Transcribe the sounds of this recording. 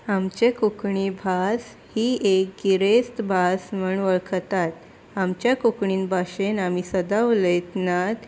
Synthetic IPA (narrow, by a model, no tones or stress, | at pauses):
amt͡ɕekukɳibʱas | hiːek̚ɡiɾest̪bʱasməɳʋəɭkʰət̪at̪ | amt͡ɕjakukɳiːnbʱaɕenamiːsəd̪aʋləjt̪nat̪